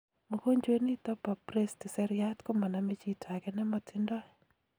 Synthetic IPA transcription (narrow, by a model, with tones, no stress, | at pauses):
mo˨ko˦ɲd͡ʒwe˦ni˦t̪ɔ˦pa˨pɾe˦stɪ˨sɛ˦ɾɪa˦tko˦ma˨na˨me˦t͡ʃi˦tʰa˨ɡɛ˦nɛ˦mɔ˦tʰɪ˦ndɔ˦ɛ˨